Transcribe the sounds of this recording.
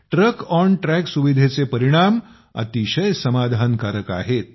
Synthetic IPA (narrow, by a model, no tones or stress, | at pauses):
ʈɾəkɔɳʈɾɛksuʋid̪ʱet͡sepəɾiɽ̃am | ə̰t̪iɕəjsəmad̪ʱankaɾəka̰ɦet̪̚